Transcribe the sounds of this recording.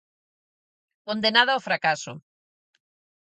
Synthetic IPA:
kond̪enaðaofɾakaso̰

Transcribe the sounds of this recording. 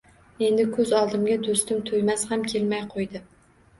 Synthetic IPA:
e̞nd̪ɪkʰɵzɒlˠd̪ɪmɡʲad̪ost̪ɪmt̪ʰojmashamkʲʰelmajqʰojd̪ɪ

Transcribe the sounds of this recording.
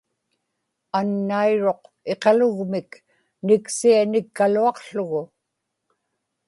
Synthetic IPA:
anːaiɻo̞q | e̞qɑlʊɣmɪk | nɪksianɪkːaluɑqɬʊɣʊ

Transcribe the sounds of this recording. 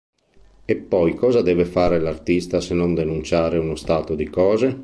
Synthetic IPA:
epːɔjkɔːzad̪ɛːvefaːɾelart̪ist̪asenːond̪enunt͡ʃaːɾeunost̪aːt̪od̪ikɔːze

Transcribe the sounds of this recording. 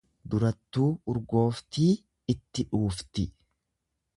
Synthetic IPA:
d̪ʊɾɐt̪ːuːʊɾɡo̞ːft̪iː | ɪt̪ːɪᶑuːft̪ɪ

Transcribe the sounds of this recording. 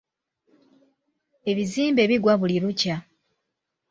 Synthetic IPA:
e̞βiziːmbe̞ːβiɡwaβuliɾuca

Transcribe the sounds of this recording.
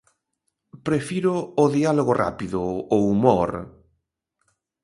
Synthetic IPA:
pɾefiɾʊːðialoɣorʔa̰piðʊowumoɾ

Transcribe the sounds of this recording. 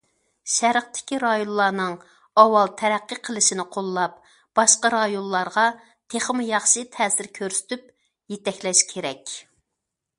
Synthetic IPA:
ʃæɾəχt̪ʰɪ̥kʲiɾɑjonlːˠɑːnɨŋ | ɑwɑlˠt̪ʰɛɾæqːəqʰəlˠɨʃinɪqʰolˠːɑp̚ | b̥ɑʃqɑɾɑjonˠlːɑɾʁɑ | t̪ʰeχmɨjɑχʃɨt̪ʰɛːsɪɾkʲʰøɾsy̥t̪yp̚ | jet̪ɛkʲlɛʃkʲʰeɾɛkʲ

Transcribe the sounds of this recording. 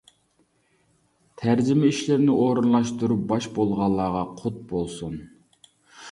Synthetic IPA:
t̪ʰæɾd͡ʒɪmɛiʃlɪɾɪnɪʔoɾɨnlˠɑʃt̪uɾup̚bɑʃbolˠʁɑlˠːɑːʁɑqʰʊt̪̚bolˠsun

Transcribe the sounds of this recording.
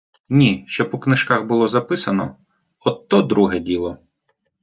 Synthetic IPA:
nʲiʃt͡ʃɔpɔknɪʃkaxbʊlˠɔzɐpɪsɐnɔ̰ | ɔt̪ːɔd̪ɾuɦɛdʲilˠɔ

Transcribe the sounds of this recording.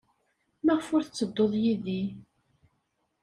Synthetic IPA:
mæʁəfʊɾθət͡sːəd̪ːoðˤjiði

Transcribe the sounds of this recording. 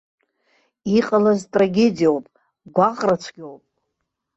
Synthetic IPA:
iqʼalaztʼraɡʲe̞dijawpʼ | ɡʷaχʼrat͡sʷʰɡʲowpʼ

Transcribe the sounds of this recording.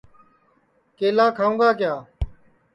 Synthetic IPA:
keːlãːkʰaːũːɡaːkɪjaː

